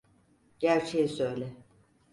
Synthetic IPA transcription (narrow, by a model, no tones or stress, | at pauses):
ɟ̥æɾt͡ʃʰejisøjlʲɛ